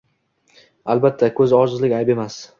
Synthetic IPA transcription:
albat̪ʰːakʰɵzɒʒɨzlɪkʲajbe̞mas

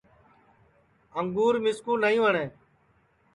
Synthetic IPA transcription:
əŋɡuːɾmɪskuːnaːĩːʋəɳẽː

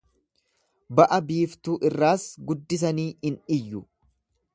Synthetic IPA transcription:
bɐʔɐbiːft̪uːʔɪrːaːsɡʊd̪ːɪs̬ɐniːɪnʔɪjːʊ

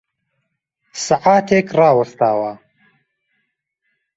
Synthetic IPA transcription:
saʕaːt̪ʰeːkrɑːwɐst̪aːwa

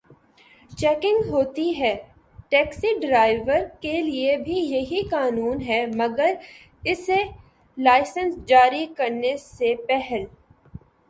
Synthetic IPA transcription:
t͡ʃɛːkɪ̃ŋɡɦoːt̪iɦɛː | ʈɛːksiɖɾaːɪʋəɾkeliebʱijɐɦikaːnuːnɦɛmɐɡəɾ | ɪse | laːɪsə̃nsd͡ʒaːɾikɐɾnesepɛɦɛl

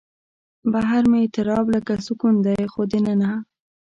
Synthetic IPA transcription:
baɦaɾmeet̪ɪɾɑbləkasʊkund̪ajxod̪enana

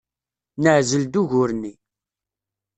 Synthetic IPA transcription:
nəʕzəld̪uʝʊɾni

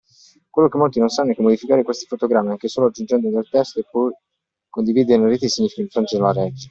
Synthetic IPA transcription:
kwelːokemːolt̪inonsanːoɛkːemod̪ifikaːɾekwest̪i̥fot̪oɡɾamːiaŋkesoːload͡ʒːund͡ʒɛnd̪od̪elt̪ɛst̪oepːɔj | kond̪iviːd̪eɾleɾeːt̪isiɲːifikeiɱfɾont̪ed̪elaɾɛd͡ʒe

